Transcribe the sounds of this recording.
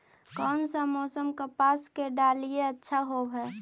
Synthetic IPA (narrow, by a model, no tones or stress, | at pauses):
kɔːnsəmɔːsəmkəpaːskeɖaːlieətːʃʰaɦobɦɛ